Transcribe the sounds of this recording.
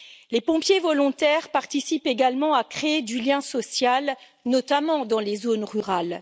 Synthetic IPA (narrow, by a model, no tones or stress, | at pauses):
lepɔ̃pjevɔlɔ̃t̪ɛʁpaʁt̪isipeɡalmɑ̃akχeːd̪yljɛ̃sɔsjal | nɔt̪amɑ̃d̪ɑ̃lezonʁyʁal